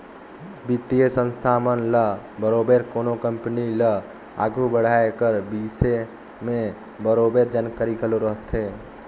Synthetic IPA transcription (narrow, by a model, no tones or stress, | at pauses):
bit̪ijəsə̃nst̪ʰamənləbəɾobeɾkoːnokəmpnilə | a̰ːɡʱɾubəɽ̤aekəɾbise | mẽ | bəɾobeɾd͡ʒənkəɾikʰəloɾəɦt̪ʰɦeː